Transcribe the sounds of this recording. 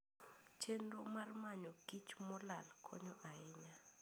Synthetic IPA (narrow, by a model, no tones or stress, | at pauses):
t͡ʃʰenɾɔmarmaɲɔɡit͡ʃmɔlalkʰɔ̰ɲɔʔaɪɲa